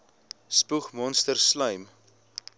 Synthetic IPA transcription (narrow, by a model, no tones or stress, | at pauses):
spuχmɔnstərslœɥm